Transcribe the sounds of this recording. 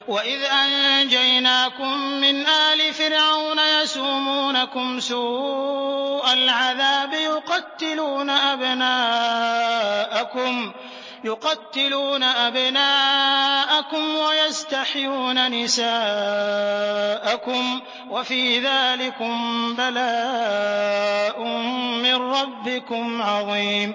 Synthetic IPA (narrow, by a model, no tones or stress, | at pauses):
waʔɪðʔand͡ʒajnaːkʊmːɪnʔaːlɪfɪɾʕawnajasuːmuːnakʊmsuː | ʔalʕaðaːbjʊqɑt̪ːɪluːnaʔabnaː | ʔakʊm | jʊqɑt̪ːɪluːnaʔabnaːʔakʊmwajast̪aħjuːnanɪsaː | ʔakʊm | wafiːðaːlɪkʊmbalaː | ʔʊːɪnɾɑbːɪkʊmʕɑðˤiːm